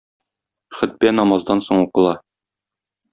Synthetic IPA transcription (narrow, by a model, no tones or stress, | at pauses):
χɘ̆t̪̚bænɒmɑzd̪ɑnsoɴuqɤ̆lˠɑ